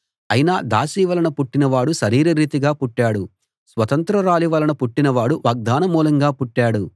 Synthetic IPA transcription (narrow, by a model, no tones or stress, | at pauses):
ɐjinaːd̪aːsiːʋɐlɐɳɐpuʈːinɐʋaːɽuʃɐɾiːɾɐɾiːt̪iɡaːpuʈːaːɽu | sʋɐt̪ɐnt̪ɾɐɾaːliʋɐlɐnɐpuʈːinɐʋaːɽuʋɐːɡ̚d̪aːnɐmuːlɐŋɡaːpuʈːaːɽu